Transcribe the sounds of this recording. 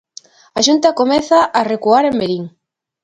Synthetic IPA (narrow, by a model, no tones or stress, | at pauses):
aʃunt̪ɐkomɛθaʔːrekuaɾembeɾiŋ